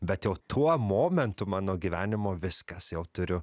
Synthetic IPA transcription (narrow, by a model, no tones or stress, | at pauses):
bʲɛt̪jɛʊt̪ʰuɔmoːmʲɛnt̪ʊmɑːnoːɡʲiʋʲæːnʲɪmoːʋʲɪskɐsjɛʊt̪ʊɾʲʊ